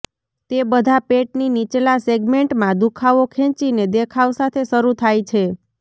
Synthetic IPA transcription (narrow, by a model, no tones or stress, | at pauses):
t̪ebəd̪ʱapeʈninit͡ʃlaseɡmeɳʈmãd̪ukʰaʋokʰẽt͡ʃined̪ekʰawsat̪ʰeʃəɾut̪ʰajt͡ʃʰe